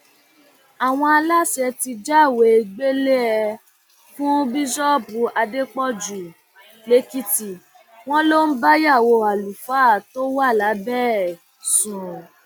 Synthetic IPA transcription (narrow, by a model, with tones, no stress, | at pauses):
a˨w̃ɔ̃˧a˧la˦sɛ˧ti˧d͡ʒa˦˨we˨˦˧ɡ͡be˦le˦ɛ˧ | fũ˦bi˦ʃɔ˦bu˨˦a˧de˦k͡pɔ˦d͡ʒu˨ | le˦ki˧ti˨ | w̃ɔ̃˦lo˦n̩˦ba˦ja˦˨wo˧a˨lu˨fa˦˨to˦wa˦˨la˨˦bɛ˦˨ | sũ˨